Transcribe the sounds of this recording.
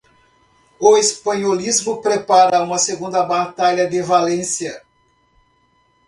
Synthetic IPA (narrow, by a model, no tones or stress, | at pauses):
ʊespɐ̃ɲolizmʊpɾepaɾɐũmɐseɡũnd̪ɐbat̪aʎɐd̪ɪvalẽsiɐ